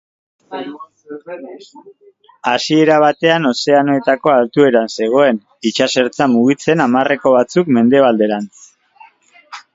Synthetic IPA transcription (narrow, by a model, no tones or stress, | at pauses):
asie̞ɾaβ̞at̪e̞ano̞se̞ano̞e̞t̪ako̞alt̪ue̞ɾanse̞ɣ̞o̞e̞n | it͡ʃase̞ɾt͡samuɣ̞it͡se̞namare̞ko̞βat͡sukme̞nd̪e̞βald̪e̞ɾant͡s